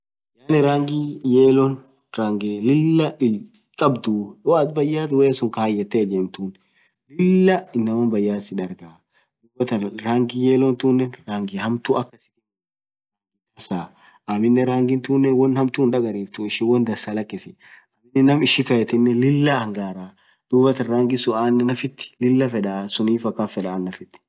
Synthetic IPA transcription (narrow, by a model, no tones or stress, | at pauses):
jaːnɛɾaːŋɡijeːlɔn | ɾaːŋɡeːlɪlːɐʔɪlkʼɐbd̪uːwat̪bɐjːaːt̪weːsʊŋkaːjːɛt̪ːeːd͡ʒeːmt̪uːn | lɪlːɐɪnːɐwɐnbɐjːaːsɪᶑ̪ɐɾɡaː | d̪ʊɡɔt̪ɐnɾaːŋɡɪjeːlɔnt̪uːnːɛnɾaːŋɡɪhɐmt̪uʔɐkːɐsɪ̥kɛ | ɐsaː | ʔɐmɪnːɛɾaːŋɡɪnt̪uːnːɛnwɐnhɐmt̪uːnᶑɐɡɐɾiːt̪ːuɪʃɪwɐnd̪ɐsaːlɐkʼːɪsɪ | ɐmɪnːɛnɐmɪʃɪkɐjɛt̪ɪnːɛlɪlːɐɐŋɡaːɾaː | d̪̥uːbɐt̪ɐnɾaːŋɡɪsʊaːnːɛnɐfɪt̪ːɪ̥lɪlːɐfɛᶑasʊniːfɐkːɐnfɛᶑaːnːɐfɪt̪ːɪ̥